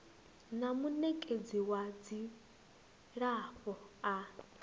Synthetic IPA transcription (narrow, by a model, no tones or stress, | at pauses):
namunɛkʼed͡ziwad͡zi | ɺaɸɔa